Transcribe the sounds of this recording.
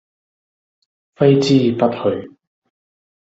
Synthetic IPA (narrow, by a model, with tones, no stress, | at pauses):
fɐ˥jt͡siː˥pɐ˥t̚hɵ˨˧j